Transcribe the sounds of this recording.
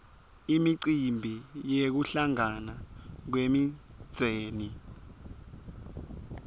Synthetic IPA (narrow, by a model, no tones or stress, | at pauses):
imiǀimbʱijek̬uɬaŋanak̬wemid̥z̥ʱeːni